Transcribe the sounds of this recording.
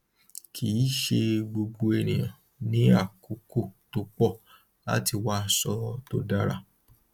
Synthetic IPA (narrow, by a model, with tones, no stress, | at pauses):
kʰiː˨˦ʃe˧ɡ͡bo˧ɡ͡bo˧ɛ˨nĩ˨jã˨ | nĩ˦a˦˨ku˨˦ko˦˨to˧k͡pɔ˦˨ | la̰˦ti˧wa˦˨sɔ˧˦to˦da˦ɾa̰˦˨